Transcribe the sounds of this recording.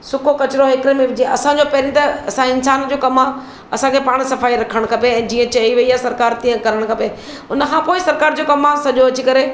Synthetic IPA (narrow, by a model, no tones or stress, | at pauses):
sʊkokɐt͡ɕɪɾoɦekɾemẽʋɪd͡ʑiẽʔɐsãd͡ʑopɐɦɾĩt̪ɐɐsãɪ̃nsaːnd͡ʑoːkɐma | ɐsãkʰepaːɽ̃sɐfaːiɾɐkʰəɽ̃kʰɐpeɛ̃ːd͡ʑiːə̃t͡ɕɐiʋɐiasɐɾkaːɾt̪ĩːə̃kɐɾəɽ̃kʰãːpe | ʊnə̆kʰãːpoːɪsɐɾkaːɾd͡ʑoːkɐmasɐʄoɐt͡ɕikɐɾe